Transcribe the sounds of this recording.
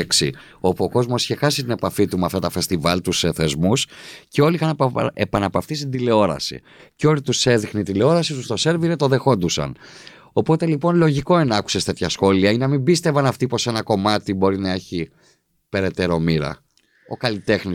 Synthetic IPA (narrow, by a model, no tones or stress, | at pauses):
eksḭ | o̞puo̞ko̞zmo̞si̥çexɐsit̪ine̞pɐfit̪umɐft̪ɐt̪ɐfe̞st̪ivɐlt̪useθe̞zmusce̞o̞liixɐnepɐnɐpɐft̪ist̪id̪ile̞o̞ɾɐ̰sḭ | ceo̞lit̪use̞ðixniid̪ile̞o̞ɾɐsit̪ust̪o̞se̞ɾviɾe̞t̪o̞ðe̞xo̞nd̪usɐ̰n | o̞po̞t̪e̞lipo̞nlo̞ʝiko̞enɐku̥se̞st̪e̞t̪çɐsxo̞liɐineɐmimbist̪e̞vɐnɐft̪ipo̞se̞nɐko̞mɐt̪ibo̞ɾinɐe̞çi | pe̞ɾe̞t̪e̞ɾo̞miɾɐ̰ | o̞̰kɐlit̪e̞xni